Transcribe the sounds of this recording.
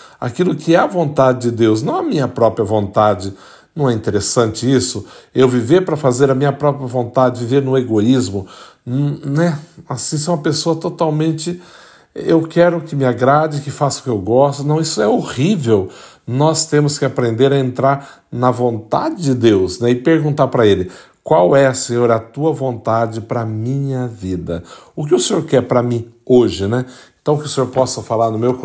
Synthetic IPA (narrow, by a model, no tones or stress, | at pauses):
a̰kilʊkʰɪɛɐvõnt̪ad͡ʒɪd͡ʒɪd̪ews̬nɐ̃w̃ɐmĩɲɐpɾɔpɾjɐvõnt̪ad͡ʒɪ | nɐ̃w̃ɛĩnt̪eɾesɐ̃nt͡ʃɪisʊewviveɾpɾɐfazeɾɐmĩɲɐpɾɔpɾiɐvõnt̪ad͡ʒɪviveɾnʊeɡoizmʊ | ñnɛasĩs̬ẽũmɐpesoɐt̪ot̪awmẽnt͡ʃɪ | ewkɛɾʊkɪmɪaɡɾad͡ʒɪkɪfasʊ̥kɪewɡɔst̪ʊnɐ̃w̃isʊɛohivew | nɔst̪ẽmʊskɪapɾẽnd̪eɾɐẽnt̪ɾaɾ | nɐvõnt̪a̰d͡ʒɪd͡ʒɪd̪ewznɛɪpeɾɡũnt̪aɾpɾɐelɪ | kwawɛɐsẽɲoɾɐt̪uɐvõnt̪ad͡ʒɪpɾɐmĩɲɐvid̪ɐʊkɪʊsẽɲoɾkɛɾpɾɐmĩoʒɪnɛẽnt̪ɐ̃w̃kɪʊsẽɲoɾpɔsɐfalaɾnʊmewk